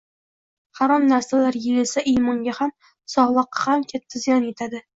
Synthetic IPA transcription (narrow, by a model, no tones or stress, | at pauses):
haɾɒmnaɾsalaɾjeɾɪlsaʔijmɒŋɡʲaham | sɒʁlˠɨqːɑ̥hamkʲʰat̪ʰːazijɒnet̪ʰad̪ɪ